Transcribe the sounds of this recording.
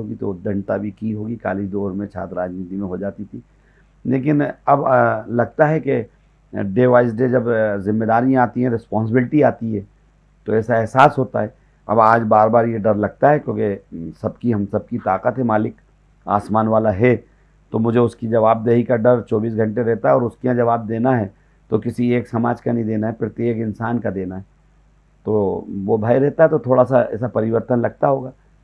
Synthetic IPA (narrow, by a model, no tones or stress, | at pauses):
oːɡit̪od̪ɐ̃ɳʈ̪abʱikiɦoːɡika̰ːlid͡ʒd̪oːɾmẽt͡ʃʰa̰ːt̪ɾaːd͡ʒniːt̪imẽɦod͡ʒaːt̪it̪ʰiː | leːk̬ɪnɐblɐɡ̚t̪aɦɛke | ɖeːʋaːɪs̬ɖed͡ʒɐbzɪmːed̪aːɾijãaːt̪iɦɛ̃ɾɪspɔ̃ːns̬ɪbɪlɪʈiaːt̪iɦɛ̃ː | t̪oɛːsaɛɦsaːsɦoːt̪a̰ɦɛ | ɐ̰baːd͡ʒbaːɾbaːɾjeɖɐɾlɐɡ̚t̪aɦɛkjõːkesɐb̚kiɦɐmsɐb̚kit̪aːqət̪ɦɛmaːlɪk | a̰ːsmaːnʋaːlaɦɛ | t̪omʊd͡ʒʱeʊskid͡ʒɐʋaːb̚d̪eːɦikaɖɐɾt͡ʃɔːbiːs̬ɡʱɐ̃ɳʈeɾɛɦt̪aɦɛɔːɾʊskiãd͡ʒɐʋaːb̚d̪eːnaɦɛ | t̪okɪsieːksɐmaːd͡ʒkanɐ̃ĩd̪eːnaɦɛpɪɾt̪eeːkɪnsaːnkad̪eːnaɦɛ | t̪oʋobʱaːiɾɛɦt̪aɦɛt̪ot̪ʰoːɽasaɛ̰ːsapɐɾɪʋəɾt̪ənlɐɡ̚t̪aɦoːɡaː